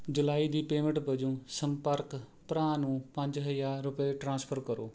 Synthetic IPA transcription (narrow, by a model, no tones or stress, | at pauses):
d͡ʒʊlaːid̪iːpeːmə̃ɳʈbəd͡ʒũːsə̃mpəɾk | pɾãːnũːpə̃ɲd͡ʒɦəjaːɾʊpeʈɾãːspʰəɾkəɾoː